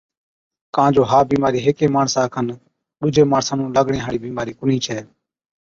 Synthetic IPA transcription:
kãːd͡ʒoːɦaːbiːmaːɾiːɦeːkeːmaːɳsãːkʰən | ɗʊd͡ʒeːmaːɳsãːnũːləɡɳẽːɦaːɽiːbiːmaːɾiːkʊniːt͡ʃʰɛː

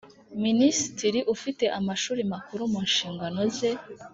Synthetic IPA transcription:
minisitiɾiʔufite̞ʔamaʃuːɾimakuɾumunʃiːŋɡano̞ze

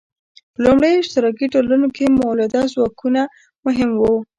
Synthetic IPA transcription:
pəlumɽejoɪʃt̪ɪɾɑkiʈolanokemawlad̪ɑzwɑkʰuna | mʊɦɪmwu

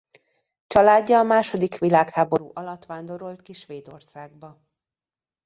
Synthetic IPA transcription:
t͡ʃɒlaːɟːɒːmaːʃo̞d̪ikʋilaːkhaːbo̞ɾṵːʔɒlɒt̪ʋaːnd̪o̞ɾolt̪kiʃʋeːd̪o̞̰rsaːɡbɒ

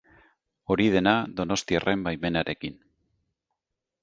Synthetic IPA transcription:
o̞ɾið̞e̞naðo̞no̞st̪ia̰rʔe̞mbajme̞naɾʔe̞kin

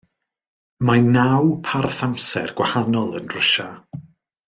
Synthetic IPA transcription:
manawpʰarθamsɛ̰rɡ̥wahanɔlˠənr̥ʊʃa

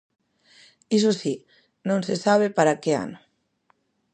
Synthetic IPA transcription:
is̬osi | nõnsesaβ̞epaɾakea̰no

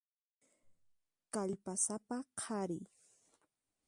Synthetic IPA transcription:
kaʎpasapaqʰaɾɪ

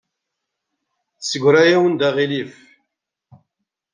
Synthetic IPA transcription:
θsəɡʷɾæjæwənd̪æʁilif

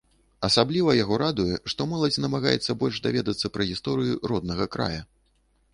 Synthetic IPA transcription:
ɐsablʲivɐjaɣɔɾad̪ujɛʂt̪ɔmɔlˠɐd͡zʲnɐmaɣa̰jɛ̰t̪sːɐbɔlʲʂd̪avʲɛd̪ɐt̪sːɐpɾɐɣʲist̪ɔɾɨjuɾɔd̪nɐɣɐkɾa̰jɐ

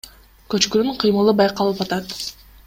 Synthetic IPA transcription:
kø̞t͡ʃkynyɴqʰɯjmɯlˠɯbɑjqɑlˠɯpɑt̪ɑt̪

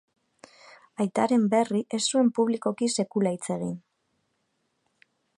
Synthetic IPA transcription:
ajt̪aɾe̞mbe̞riʔe̞sue̞mpuβliko̞kise̞kulajt͡se̞ɣ̞in

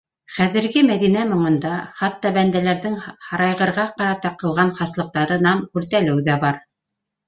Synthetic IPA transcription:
χæðɘ̆ɾɡɘmæðinæmŏɴɤ̆nd̪ɑχɑt̪ːɑbænd̪ælæɾðɘŋhɑɾɑjʁɤ̆ɾʁɑqɑɾɑt̪ɑqɤ̆lˠʁɑnχɑslˠɤ̆q̚t̪ɑɾɤnɑmkʉɾt̪ælɘwðæbɑɾ

